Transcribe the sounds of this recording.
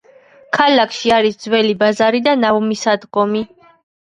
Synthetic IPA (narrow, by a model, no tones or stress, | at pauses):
kʰalakʰʃiaɾisd̪zwɛlibazaɾid̪anaɔmisad̪ɡɔmi